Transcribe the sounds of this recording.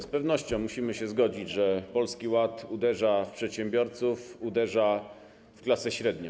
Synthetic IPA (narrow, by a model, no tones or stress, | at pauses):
spɛvnɔɕt͡ɕɔ̃w̃muɕimɘɕɛzɡɔd͡ʑid͡ʑʐɛpɔlskʲiwat̪ud̪ɛʐafpʂɛt̪ɕɛmbʲjɔɾt̪sufud̪ɛʐa | fklasɛɕɾɛd̪ɲɔ̃